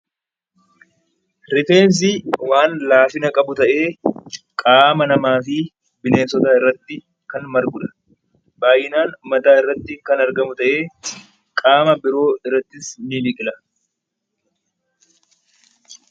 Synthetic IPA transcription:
ɾɪfe̞ːns̬ɪwaːnlaːfɪnɐkʼɐbʊt̪ɐʔe̞ː | kʼaːmɐnɐmaːfɪ | bɪne̞ːsɔt̪aːɪrːɐt̪ːɪ | kɐnmɐɾɡʊᶑɐ̥ | baːjɪnaːnmɐt̪aːɪrːɐt̪ːɪŋkɐnɐɾɡɐmʊt̪ɐʔe̞ː | kʼaːmɐbɪɾo̞ːɪrːɐt̪ːɪsniliːkʼɪlɐ

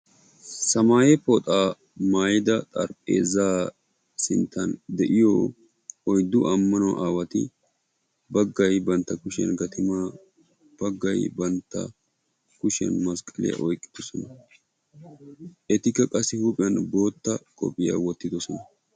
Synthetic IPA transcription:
sɐmaːjɛpɔt̪ʼaː | maːjɪd̪ɐt̪ʼɐ̰ɾpʼːḛːzaː | sɪnt̪ʰːɐnd̪ɛʔɪjo̰ː | ɔjd̪ːʊʔɐmːɐnɔwʔaːwɐt̪ɪ̰ | bɐɡːɐjbɐnt̪ːɐkʊʃɛ̰nɡɐt̪ɪma | b̥ɐɡːɐjbɐnt̪ːɐ̰ | kʊʃɛ̰nmɐskʼɐlɪ̰ja̰ʔɔjkʼːɪ̥d̪̥ɔsɔnɐ | ʔɛt̪ɪkːɐkʼɐsːɪhupʼɪjɐnbo̞ːt̪ːɐkʼɔ̰pʼːɪja̰ːwɔt̪ːɪd̪ɔsɔnɐ

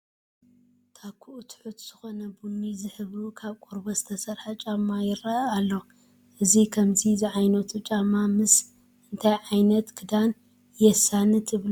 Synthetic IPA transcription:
t̪ʰakʰːuʔut̪ʰħut̪z̥ɨxo̞nɐbunːizɨħɨβukʰaβkʼoɾbozɨt̪ʰɐsɐɾħat͡ʃʼɐmːajɪɾaalːo | ʔɨzikʰɐmzizɨʕajnɐt̪ʰut͡ʃʼamːamɨs | ʔɨnt̪ʰajʕajnɐt̪kʰɨd̪an | jɛsanɨt̪ʰɨβlu

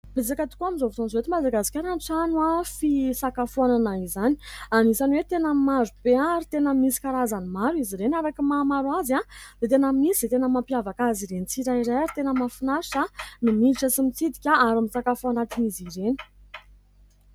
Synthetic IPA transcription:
b̥ezakat̪u̥kʲuamizovut̪onzoet̪imad̪aɡasi̥kʲaɾanʈ͡ʂanwafisakafuananaizani̥anizaniwet̪enəmazubeaɾit̪enəmisi̥kaɾazanimaɾuiziɾenaɾakimamaɾuazad̪̥et̪enəmisiz̥et̪enəmampiavakaziɾenit͡siɾaiɾajaɾit̪enəmafinaiʈ͡ʂanimilʈ͡ʂəsimit͡sid̪ikʲaaɾamisakafuanat̪iniziɾeni̥

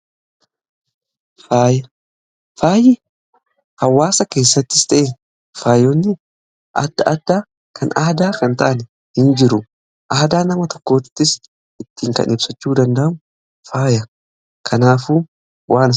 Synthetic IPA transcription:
faːjɐ | faːjɪ | hɐwːaːsɐke̞ːsːɐt̪ːɪ̥st̪ʼɐʔe | faːjonːɪ | ʔɐ̰d̪ːɐʔɐd̪ːaː | kʰɐnahd̪aːkɐnt̪ɐʔɐnɛ | hɪnd͡ʒɪɾʊ | ʔɐːd̪aːnɐmɐt̪ɔkːo̞ːɪ̥t̪ːɪs | ʔɪt̪ːiːŋkɐ̰nɪbsɐt͡ʃːuːd̪ɐnd̪ɐʔmʊ | faːjɐ | kʰɐnaːfuː | wʔaːn

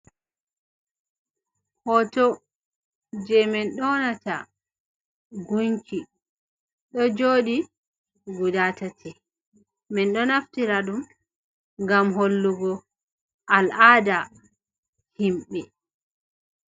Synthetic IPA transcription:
hɔtɔ | d͡ʒɛmɛnɗɔnata̰ | ɡuɲki | ɗɔd͡ʒoɗi | ɡudatatʰɛ | mɛnɗɔnaftiɾaɗum | ŋɡamɦolːuɡɔ | ʔalada | himɓɛ

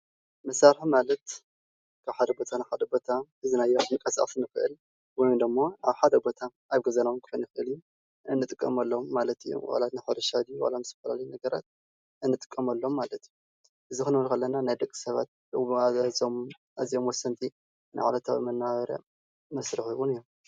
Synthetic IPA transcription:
mɐsaɾħimalɐt̪ | kʰaβħad̪ɐbot̪ʰanaħad̪ɐbo̞t̪ʰaʔɨzinajːomɨkʼːɐsa̰ʔʼsnɨxɨʔɨ̰l | wɔjund̪ɨmːoaβħad̪ɐbo̞t̪ʰa | aβɡɐzɐnawnkʰɨ̥xonjɪxɨɨlju | ɨnːɨt̪ʼɨkʼːɐmɐlːo̞mːalɐt̪ɨjːo̰wa̰lat̪naħɐɾɐʃad̪iwa̰lamɨzt̪ʰɐ̥fɐla̰lɐjunɐɡɐɾa̰t̪̚ | ʔɨnːɨt̪ʼɨ̥kʼːɐmɐlːo̞mːalɐt̪ju | ʔɨzixɨnɨβɐlkalːɐnanajd̪ɐkʼːi̥sɐβa̰t̪̚ | ɐzom | ʔazio̞mwɔsːɐnt̪ʼi | na̰ʕa̰lɐt̪ʰawḭmɐnːaβɐɾɐ̰ | mɐsɾɨxɨwunɨjːomm

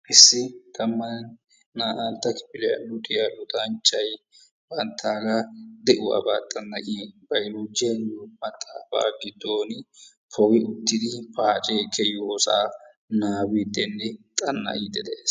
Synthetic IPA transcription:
ʔɪsːɪt̪ʰɐmːɐn | naːʔant̪ːɐkɪ̥pɪlɛjɐ̰nʊt̪ɪjajʊt̪ɐnt͡ʃːɐj | b̥ɐnt̪ʰːaːɡɐd̪ɛʔʊwa̰ba̰ːt̪ʼɐnːɐʔibɐjluːd͡ʒɪjɐnumɐt̪ʼːaːfa̰ːɡɪd̪oːnɪ | pʰɔɡɪʊt̪ːɪd̪ɪpaːt͡ʃʼeːkʰːɛjʊɔsa̰ː | naːwiːd̪ɛnːɪt̪ʼɐnːɐ̰ʔid̪ɛd̪eːs

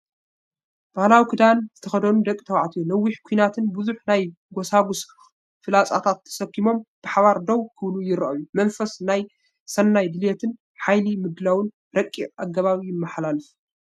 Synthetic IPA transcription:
b̥ahlawikʰɨd̪anzɨt̪ʰɐxɐd̪ɐnud̪ɐkʼːt̪ʰɐwaʕt̪ʰijulɐwːiħkʷʰuinat̪ʰɨnbɨzuħnaj | ɡosaɡus | fɨlat͡sʼa̰t̪ʰat̪ʰːɐ̥sɐkːimo̞mb̥ɨħaβaɾd̪owkʰɨβlujɪɾɐ̰ʔɐjumɐnfɐsnaj | sɐnːajd̪ɨljet̪ʰɨn | ħajlimɨd̪lawɨn | ɾɐkʼːiʔaɡːɐβaβijɪmːɐħlalɨf

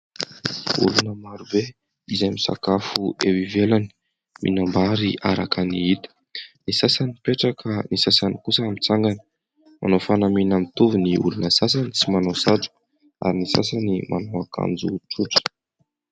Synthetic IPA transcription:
ṵlunəmaɾube | izamisa̰kafuewivelani̥ | mʔḭnambaɾiʔaɾakaniit̪u̥ | nisasanipeʈ͡ʂakʰənisasanikusəːmit͡saŋɡanə̥ | mʔa̰nofanaminamit̪uviniulunəsas̬anit͡simanosaʈ͡ʂu̥ | a̰ɾinisa̰s̬animʔa̰noaka̰nd͡zuʈ͡ʂuʈ͡ʂə̥

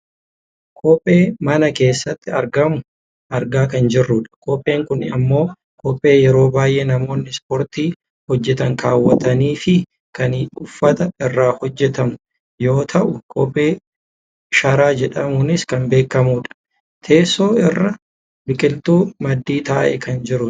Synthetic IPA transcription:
kʰɔːpʼːe̞ːmɐnɐke̞ːsːɐt̪ːɪɐɾɡɐmʊ | ʔɐɾɡaːkɐnd͡ʒɪrːʊᶑɐ̥kʰɔːpʼːe̞ːŋkʊnɐ̰mːo̞ː | kʰɔpʼːe̞ːjɛɾo̞ːbaːjʔeːnɐmo̞ːnːɪspɔɾt̪iː | hɔd͡ʒːɛt̪ɐŋkaːwːɐt̪ɐniːfɪ | kɐniᶑʊfːɐt̪ɐɪrːaːhɔd͡ʒːɛt̪ɐmʊ | jo̞ːt̪ʰɐʔʊkʰɔːpʼːe̞ː | ʃɐɾaːd͡ʒɛᶑɐmʊnɪskɐmbe̞ːkːɐmuːᶑɐ̥ | t̪ʰe̞ːsːoːɪrːɐ | bɪkʼɪlt̪uːmɐd̪ːiːt̪aːʔɛ̰kɐnd͡ʒɪɾʊ

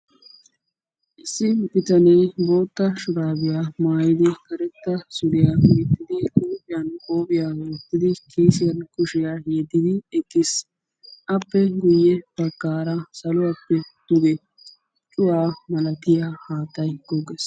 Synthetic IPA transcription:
ʔɪsːɪbɪt̪ɐneːbo̞ːt̪ːɐʃʊɾaːbɪjamaːjɪd̪ɪkɐɾɛt̪ːɐsʊlɪjaɡɪɾɪt̪ːɪd̪ɪʔʊːbɪjɐnkʼoːbɪjawʊt̪ːɪd̪ɪkʰiːsɪjɐnkʊʃɪjaheːd̪ɪd̪ɪɛkʼːɪs | ʔɐpːɛɡʊjːɛb̥ɐkːaːɾɐsɐlʊwɐpːɛt̪ʊɡɛ | t͡ʃʼʊwaːmɐlɐt̪ɪjahaːt̪ːɐjɡoɡes

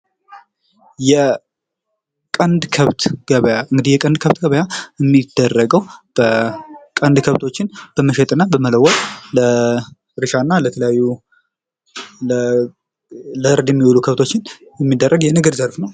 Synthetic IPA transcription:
jɛ | kʼənd̪kʰəβt̪ɡ̥əβjaɨŋɡɨd̪ijɛkʼənd̪kʰəβt̪ɡəβəjaɛmːid̪̥ərːəɡəwb̥əkʼənd̪kʰəβt̪ʰo̞t͡ʃːɪnb̥əməʃɛt̪ʼɨnːabəmələwɔt̪ʼlə | ɾɨʃanːalət̪ʰələjajːu | ə | ləɨɾd̪jɛmːiwulukʰəβt̪ʰo̞t͡ʃːɪnjɛmːid̪ːərːəɡjɛnɨɡəɾzəɾfnəw

